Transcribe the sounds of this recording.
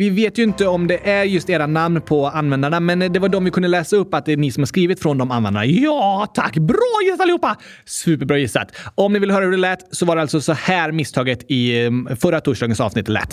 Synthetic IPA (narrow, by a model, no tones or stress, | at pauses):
vɪveːt̪jɵɪnt̪əɔmd̪ɛʔæɾjɵst̪eːɾanamnpʰɔanvɛnd̪aɳamɛnd̪ɛvaɖɔmvɪkʰɵnd̪əlɛːsaɵpːat̪̚d̪ɛːnɪsɔmhaʂkɾiːvɪt̪fɾɔnd̪ɔmanvɛ̰nd̪aɳajɑːt̪ʰakːbɾɑːjɪsaalɪhuːpːa | sʉ̟ːpəɾbɾɑːjɪsːa̰t̪ɔmnɪvɪlhœːɾahʉɖɛlɛt̪sɔvaɖɛalt̪sɔsɔhæːɾmɪst̪ʰɑːɡət̪ɪfœɾːat̪ʰuːʂdɑːɡənsɑ̰vsnɪt̪ːlɛ̰t̪ː